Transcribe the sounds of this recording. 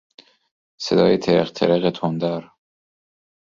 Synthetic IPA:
se̞d̪ɒ̰ːjet̪ʰeɾḛχt̪ʰḛɾeɣet̪ʰond̪æɾ

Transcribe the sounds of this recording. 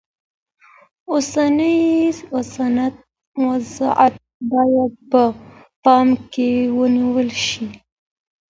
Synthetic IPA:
osanəjosanat̪̚ | wazɑʔat̪̚bɑjad̪̚pə | pɑmkewəniwəlʃi

